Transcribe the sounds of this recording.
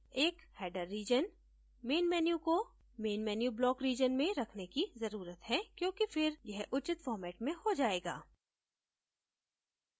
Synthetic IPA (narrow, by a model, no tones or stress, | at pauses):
eːkhɛːɖəɾːiːd͡ʒən | meːnmɛːnjuko | meːnmɛːnjublɔːkɾiːd͡ʒənmẽɾɐkʰnekizɐɾuːɾət̪ɦɛkjõːkifɪɾjɐɦʔʊt͡ʃɪt̪fɔːɾmɛːʈmẽhod͡ʒaːeːɡa̰ː